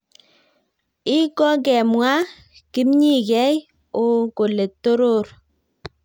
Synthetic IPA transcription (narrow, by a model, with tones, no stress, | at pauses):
i˦kɔ˦ɡɛ˨mwa˦ | ki˦mɲi˦ɡɛ˦j | o˨ko˨le˨tːo˦ɾo˦˨ɾ